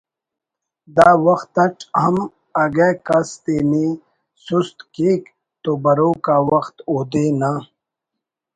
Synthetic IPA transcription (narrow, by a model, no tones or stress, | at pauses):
d̪aːwɐxt̪ɐʈ͡ʂhɐm | ɐɡekɐst̪eːni | sust̪kiːk | t̪oːbɐɾoːkaːwɐxt̪oːd̪eːna